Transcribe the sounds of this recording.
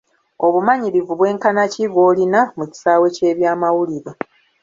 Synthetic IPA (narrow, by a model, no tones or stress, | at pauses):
o̞βumaɲiɾivuβwe̞ːŋkanacivo̞ːlinamuci̥saːwe̞ce̞ːβjaːmawuliɾa